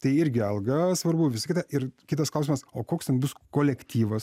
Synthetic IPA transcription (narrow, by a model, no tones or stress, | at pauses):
t̪ɐɪɪɾʲɡʲɪɐlˠɡɐsʋɐɾbʊʋʲɪsɐkʲɪt̪ɐʔɪɾkʲɪt̪ɐsklˠɐʊs̬ʲɪmɐsoːkoːkst̪ʲɛnbʊskoːlʲɛkt̪ʲiːʋɐs